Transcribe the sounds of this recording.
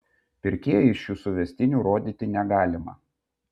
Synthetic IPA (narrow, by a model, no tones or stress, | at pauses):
pʲɪɾʲkʲeɛjɛɪʃʲuːsʊʋʲɛsʲt̪ʲɪnʲuːɾoːd̪ʲiːt̪ʲɪnʲɛɡɑːlʲɪmɐ̰